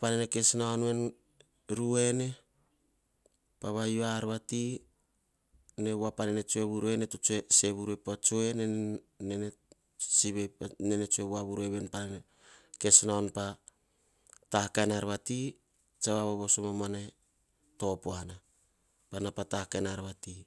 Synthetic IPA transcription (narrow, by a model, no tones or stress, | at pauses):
paneneke̞snaonwe̞n | ɾue̞ne̞ | paβajoaɾβati | ne̞βapanene̞t͡ʃoe̞βuɾue̞netot͡ʃoese̞βuɾuepat͡ʃoe̞nenene | siβepnenet͡ʃoeβwaβuɾe̞βe̞npanene | ke̞snaonpa | tahakanaɾβati | t͡ʃaβaβoβosomomane | to̞poana | panapatakanaɾβati